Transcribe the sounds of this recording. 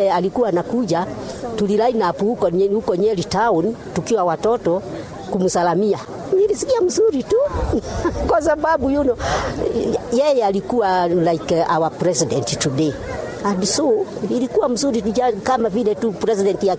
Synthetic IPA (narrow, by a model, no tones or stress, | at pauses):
ɛalikuwanakud͡ʒatulilainapuhukɔɲukɔɲɛlitaunitukiwawatɔtɔ | kumusalamia | ulilisikiam̩zuɾitu | kwasababujunɔ | jɛjɛalikuwalaikɛʔawapɾɛsidɛntitudɛ | hadisuilikuwam̩zuɾitud͡ʒakamavilɛtupɾɛs̬idɛntia